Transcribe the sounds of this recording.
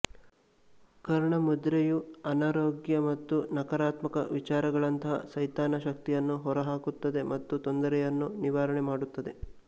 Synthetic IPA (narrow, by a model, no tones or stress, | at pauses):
kɐɾɐɳɐmud̪ɾejuɐnaːɾoːɡjɐmɐt̪ːunɐkɐɾaːt̪mɐkɐ̰ʋit͡ʃaːɾɐɡɐɭɐnt̪ɐɦɐ̰sɐjt̪aːnɐʃɐkt̪ijɐnːuɦɔɾɐɦaːkut̪ːɐd̪e̞mʔɐt̪ːut̪ond̪ɐɾɛjɐnːuniʋaːɾɐɳemaːɽut̪ːɐd̪e̞